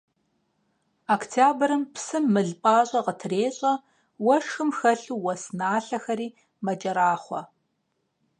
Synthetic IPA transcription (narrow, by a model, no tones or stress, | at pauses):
akʰtʰjaːbɐɾɨmpʰsɨmːɨɮpʼaːɕʼɐʁətʰreːɕʼɐ | wɐʂxɨmxɐɬuːwɐsnaːɬɐxɐɾiː | mɐt͡ʃʼɐɾaːχʷɔ